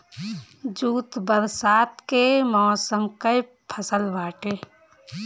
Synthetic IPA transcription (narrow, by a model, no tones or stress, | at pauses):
d͡ʒuːt̪bəɾsaːt̪kemɔɔsəmkəj | pʰəsəlbaːʈeː